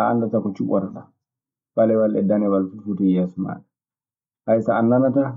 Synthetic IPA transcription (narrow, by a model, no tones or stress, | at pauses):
aa̰ndatakɔt͡ʃuʔɔ̰ɾaɗa | balɛwalʔɛdanɛwalfufutɛjasuma̰ːɗɛ | hajsaːnːanata